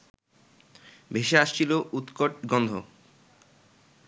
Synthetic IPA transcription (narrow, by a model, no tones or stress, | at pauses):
bʱeʃeaʃt͡ɕʰiloʔut̪koʈ̚ɡɔnd̪ʱo̰